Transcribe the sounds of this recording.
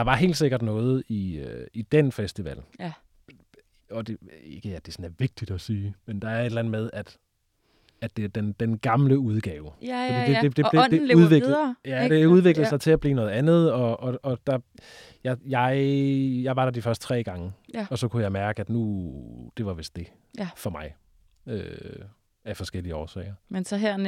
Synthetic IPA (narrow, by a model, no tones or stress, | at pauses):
d̥ɑ̈ʋɑ̈ɦe̝̰ːld̥se̝ɡ̥ɐd̥nɔ̽ːð̞̩ˠiøid̥enfesd̥iʋɛ̰l | ɒ̽d̥eeɡ̥əæd̥e̝sɔ̽n̩æɐʋe̝ɡ̥̚d̥id̥ɒsiːmend̥ɑ̈æɐed̥lænð̩ˠmeð̞ˠæd̥ | æd̥e̝æɐd̥end̥enɡ̥ɑ̈mləuðˠɡ̥ɛːʊə̥e̥e̥ed̥e̝ed̥euðˠʋeɡjæd̥e̝euð̞ˠʋe̝ɡ̥ləð̩sɑ̈ɪt͡sʰe̝æb̥lḭːnɔ̽ːð̩ˠænð̞̩ˠɒ̽ɒ̽ɒ̽d̥ɑ̈ | jɑ̈jɑ̈ɪjɑ̈ɪʋɑ̈ɾ̥ɑ̈d̥ifɶɐsd̥t͡sʰʁɛ̰ːɡ̥ɑ̈ŋəɒ̽sɒ̽kʰujɑ̈ɪmæɐɡ̥əæd̥nud̥e̝ʋɑ̈ʋe̝sd̥e̝ | fɒ̽mɑ̈ɪ | ø | æfɒ̽sɡ̥el̰iəɒːsɛ̰ɪɐmensɒɦeɐ̰n